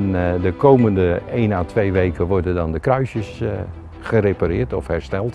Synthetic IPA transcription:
ndəkʰowməndəejnaːtʰʋejʋejkəʋɔɹdəndɔndəkrœɥsəs | χərepaɾɪːɹtɔ̰fhɛɹstɛlˠt

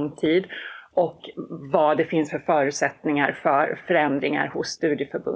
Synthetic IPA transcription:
ŋt̪ʰiːd̪ʔɔkvɑd̪ɛfɪnsfœɾfœːɾʉ̟ːt̪sɛt̪nɪŋaɾfœɾfœɾɛnd̪ɾɪŋa̰ɾhʊsːt̪ʉ̟ːd̪jəfœɾbɵ̰

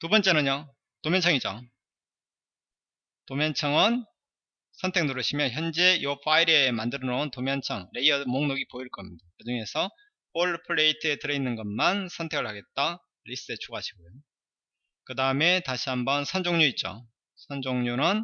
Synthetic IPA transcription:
tubʌnt͡ɕ͈e̞nɯɲʌ | tomjʌnt͡ɕʰʌŋid͡ʑo̰ | tomjʌnt͡ɕʰʌŋɯn | sʰʌntʰe̞k̚noɾɯɕʰimjʌnçjʌnd͡ʑe̞jopʰaiɾemandɯɾɯnʌuntomjʌnt͡ɕʰʌŋɾe̞iʌdmoŋnoɡipoiɭk͈ʌmɲidakɯd͡ʑuŋe̞sʰʌ | poɭpʰɯɭe̞itʰɯe̞tɯɾʌinːɯnɡʌmansʰʌntʰe̞ɡɯɭhaɡe̞t̚t͈a | ɾis͈ɯet͡ɕʰuɡaɕʰiɡojo | kɯdaɯme̞taɕʰiɦambʌnsʰʌnd͡ʑoŋɲuit̚t͡ɕ͈o̰ | sʰʌnd͡ʑoŋɲunɯn

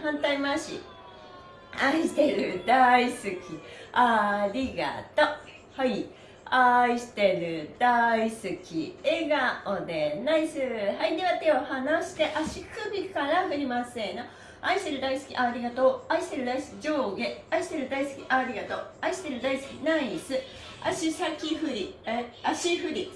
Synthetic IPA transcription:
hãnt̪aimaɕḭ | aiɕi̥t̪e̞ɾɯd̪aisɨkʲiaɾʲiɡa̰t̪o | hai | aiɕi̥t̪e̞ɾɯ̟d̪̥aisɨkʲḭeɡaod̪e̞naisɨːɦaiɲiβat̪eohanaɕi̥t̪e̞ʔaɕikɯ̟bʲikaɾaɸɯ̟ɾʲimasẽno | aiɕi̥t̪e̞ɾɯ̟d̪aisɨ̥kʲḭʔaɾʲiɡat̪oːaiɕi̥t̪e̞ɾɯd̪aisɨ̥kʲid͡ʑoːɡeaiɕi̥t̪e̞ɾɯ̟d̪aisɨ̥kʲiʔaɾʲiɡat̪oːaiɕi̥t̪e̞ɾɯ̟d̪aisɨ̥kʲḭnaisɨ | aɕisakʲiɸɯ̟ɾʲiaɕiɸɯ̟ɾʲi

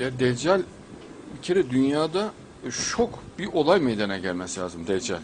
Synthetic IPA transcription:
jaːd̪ɛd͡ʒælʲ | bicʰeɾɛd̪ynjaːd̪a | ʃʰokbiʔo̞lˠajmɛjd̪anɛɟælʲmɛslʲaːzɯmd̪ɛd͡ʒælʲ

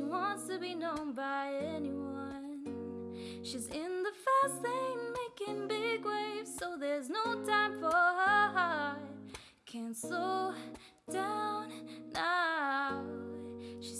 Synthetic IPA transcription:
iwɑ̃nstʰɨbinõʊ̃nbaɪɛniwʌ̃n | ʃizɪ̃nðəfɜ˞sθɪ̃ŋmeɪkɪ̃ŋbɪɡweɪv̥soʊðə˞znoʊtʰãɪ̃ɱfə˞əɦa | kʰɨ̃nso | d̥ãʊ̃nːa | ʃi

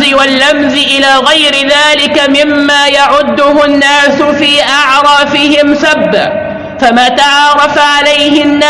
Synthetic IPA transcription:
ɪwalːamzɪʔɪlaːɣajɾɪðaːlɪkamɪmːaːjaʕʊd̪ːʊɦʊnːaːsʊfiːʔaʕɾˤɑːfɪɦɪmsabːa̰ | famaːt̪aʕɑːɾˤɑfaʕalajhɪnːa

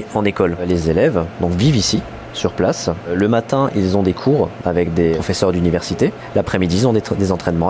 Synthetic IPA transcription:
ɑ̃nekɔllezelɛvd̪ɔ̃kvivisi | syʁplasləmat̪ɛ̃ʔilzɔ̃d̪ekʰuʁavɛkd̪eɔfesœʁd̪ynivɛʁsit̪e | lapχɛmid̪iːlzɔ̃d̪d̪ezɑ̃t̪χɛnmɑ̃

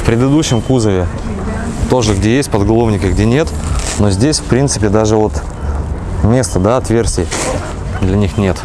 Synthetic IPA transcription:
fpɾʲɪd̪ɨd̪uɕːɪmkuzəvʲɪ | t̪o̞ʐɨɡdʲejesʲt̚ʲpəd̪ɡɐlˠo̞vnʲɪkʲɪɡdʲenʲe̞t̪no̞zʲdʲesʲfpɾʲint̪sɨpʲɪd̪aʐɨvo̞t̪ | mʲe̞st̪əd̪aɐt̪vʲe̞rsʲtʲɪj | d̪lʲɐnʲixnʲe̞t̪

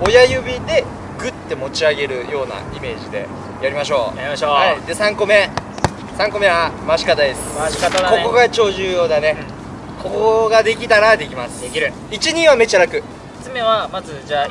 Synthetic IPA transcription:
o̞jajɯ̟bʲid̪e̞ | ɡɯ̟t̪ːe̞mo̞t͡ɕiaɡe̞ɾɯ̟jo̞ːna̰ime̞ːʑid̪e̞̰ | jaɾʲimaɕ̬o̞ːjaiaoad̪e̞sãŋko̞me̞ | sãŋko̞me̞amaɕi̥kad̪ajd̪esɨ̥kko̞ko̞ɡat͡ɕo̞ːʑɨːjo̞ːd̪ane̞ | ko̞ko̞ɡad̪e̞kʲit̪aɾad̪e̞kʲimasɨ̥d̪ekʲiɾ | it͡ɕiɲ̟ĩɰ̃βame̞t͡ɕaɾakɯ̟̥ | t͡sɨme̞βamazɨd͡ʑaː

